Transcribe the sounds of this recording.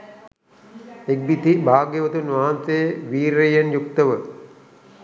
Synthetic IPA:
ek̚bit̪ibʱaːɡjeʋɐt̪unʋaɦansejəʋiːɾejɐnjuk̚t̪ɐʋə

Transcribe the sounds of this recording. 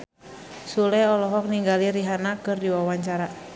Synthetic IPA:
sulɛɔlɔɦɔk̚niŋɡaliɾiɦanakɨrdiwawaɲt͡ʃaɾa

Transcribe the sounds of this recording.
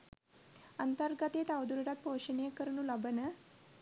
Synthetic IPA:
ənt̪əɾɡət̪et̪aʋd̪uɾɽat̪̚poɕəɳekəɾɳuːlabənə

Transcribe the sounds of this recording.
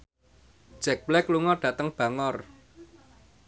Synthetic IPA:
d̥ʒ̥ɛk̚blɛkluŋɔɖ̥ä̤t̪əŋb̥ä̤ŋɔr

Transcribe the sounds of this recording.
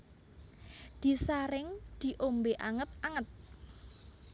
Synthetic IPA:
d̪̥i̤saɾɪŋd̪̥i̤ʔombeʔaŋət̪̚aŋət̪̚

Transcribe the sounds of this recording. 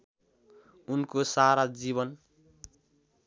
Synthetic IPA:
unkosaɾad͡ziβʌn

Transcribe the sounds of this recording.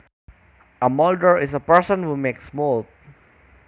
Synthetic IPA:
ʔɐmɔldəɹɪsɐpɛɹsɔ̃nhumeksmold̪̚

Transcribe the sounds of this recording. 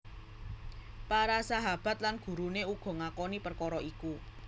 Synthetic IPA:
paɾasaɦab̥a̤t̪̚lanɡ̥ṳɾuneuɡ̥ɔ̤ŋakɔnipərkɔɾɔʔiku

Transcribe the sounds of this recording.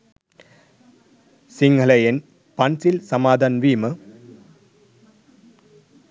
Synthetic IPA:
sɪŋɡɐɭɐjɐn | pɐnsɪlsɐmaːd̪ɐnʋiːmɐ

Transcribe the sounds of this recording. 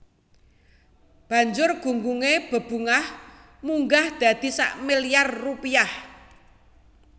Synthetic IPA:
b̥ä̤ɲd͡ʒʊrɡ̥ṳŋɡuŋeb̥ə̤b̥ṳŋah | muŋɡahd̪̥a̤d̪̥i̤sa̰ʔmilijarːupiah

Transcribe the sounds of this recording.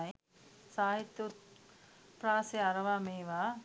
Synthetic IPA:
j | saːɦit̪ːut̪̚ | pɾaːseɐɾɐʋaːmeːʋaː

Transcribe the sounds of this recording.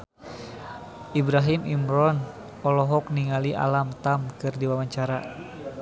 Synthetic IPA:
ʔibɾaɦimimɾɔn | ɔlɔɦɔkniŋaliʔa̰lamt̪amkɨrdiwamaɲt͡ʃaɾa

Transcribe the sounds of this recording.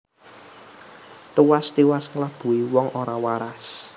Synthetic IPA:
t̪uwast̪iwasŋlab̥ṳiwɔŋʔoɾawaɾas

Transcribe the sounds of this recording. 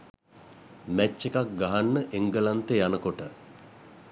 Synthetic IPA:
mæt͡ʃːekak̚ɡaɦanːəʔeŋɡəlant̪əjanəkoʈə

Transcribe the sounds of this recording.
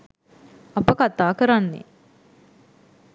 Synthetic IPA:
ɐpəkat̪aːkəɾanːḛ

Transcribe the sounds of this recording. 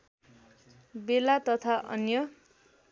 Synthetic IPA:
belat̪ʌt̪ʰaʔʌ̰njʌ

